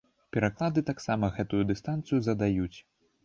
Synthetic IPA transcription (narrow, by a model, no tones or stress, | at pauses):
pʲɛɾaklˠad̪ɨt̪aksamɐɣɛt̪ujud̪ɨst̪ant̪sɨjuzɐd̪ajut͡sʲ